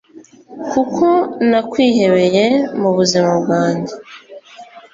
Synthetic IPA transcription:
kukʰo̞nakwiːhe̞βe̞je̞muβuzimabɡaːɲɟe

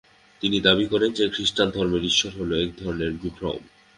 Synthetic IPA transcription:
t̪inid̪abikɔɾend͡ʑekɾiʃʈand̪ʱɔɾmeɾiʃːoɾɦoloɛk̚d̪ʱɔɾoneɾbukʰɾa̰w̰m

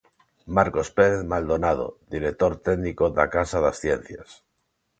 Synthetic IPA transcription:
maɾko̞speɾeθmald̪onað̞o̰ðiɾek̚t̪o̞ɾt̪eɡnikoða̰kasaðasθjen̟θjas

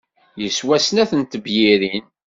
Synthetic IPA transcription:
jəswæsənæθənt̪əbjiɾin

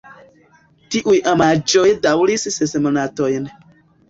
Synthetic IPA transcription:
tiʔujʔamad͡ʒojdawlissesemonatojn

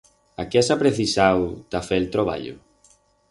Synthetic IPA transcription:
akesapɾeθisawt̪afelt̪ɾoβa̰ʎʊ̰

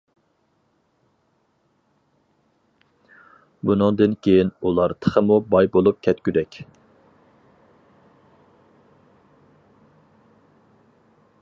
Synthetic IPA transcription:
bunɨŋd̪ɨnkʲʰejinulˠɑɾt̪ʰə̥χʰəmubɑjbolˠup̚kʲʰɛt̪kʲyd̪ɛkʲ

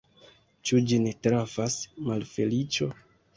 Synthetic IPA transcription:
t͡ʃud͡ʒinitɾavasmalfe̞lit͡ʃo̞

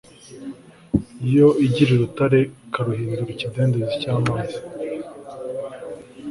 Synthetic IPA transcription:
ijo̞iɟiɾeɾutaɾe̞kaɾuɦiːnduɾicide̞ːndezicaːmaːzi

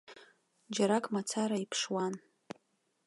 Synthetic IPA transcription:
d͡ʒaɾakʼmat͡sʰaɾaipʰʂwan

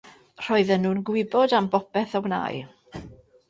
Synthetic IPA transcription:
r̥ɔɨðɛnːuːnɡwɪbɔdambɔpɛθɔwna̰ːj

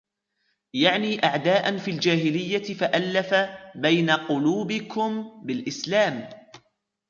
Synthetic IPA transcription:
jaʕniːʔaʕd̪aːʔanfiːld͡ʒaːɦɪlɪjːaɪfaʔalːafabajnaqʊluːbɪkʊmbɪlʔɪslaːm

